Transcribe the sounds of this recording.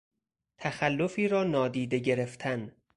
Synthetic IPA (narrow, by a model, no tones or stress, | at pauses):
t̪ʰæxælːofiːɾɒːnɒːd̪iːd̪e̞ɟe̞ɾeft̪ʰæn